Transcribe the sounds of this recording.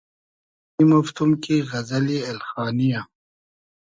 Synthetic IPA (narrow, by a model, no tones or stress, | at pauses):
imuft̪umkiɣɐzɐlielxaːnija